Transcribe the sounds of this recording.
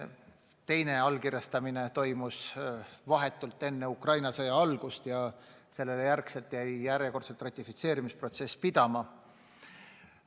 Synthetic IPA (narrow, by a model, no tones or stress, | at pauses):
t̪e̞jne̞ɑlːkirjɑst̪ɑminet̪o̞jmusvɑɦe̞t̪ːˑult̪ːˑe̞nːeukrɑjnɑsɤjɑɑlɡ̥ust̪jɑ | se̞lːelejærkse̞lt̪jæjjæɾjeko̞rt̪selt̪ːˑrɑt̪ʲːˑifit̪se̞ːɾimispro̞t̪se̞sːpid̪ɑmɑ